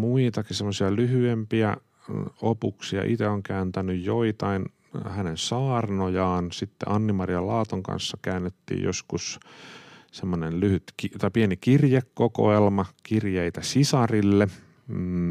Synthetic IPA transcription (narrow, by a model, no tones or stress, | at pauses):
muit̪ɑkisemːosiɑlyhyempiæ̰ | opuksiɑ̰ʔit̪eoŋkæːnt̪ænyjjoit̪ɑin | hænensɑːrnojɑːnsit̪ːḛʔɑnːimɑrjɑlɑːt̪oŋkɑ̰nsːɑkæːnːet̪ːḭːjo̰skus | semːonenlyhyt̪kit̪ɑˑipienikirjekːoko̰elmɑkirjeit̪æsisɑrilːe